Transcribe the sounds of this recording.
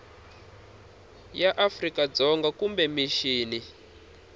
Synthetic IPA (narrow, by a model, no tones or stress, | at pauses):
jaʔafrikad͡zɔŋɡakumbɛmiʃiːni